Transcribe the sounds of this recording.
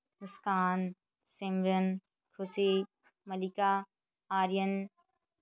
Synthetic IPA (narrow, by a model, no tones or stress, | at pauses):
mɪskaːn | sẽmɾən | kʰʊse | mɐlikaː | aːɾijən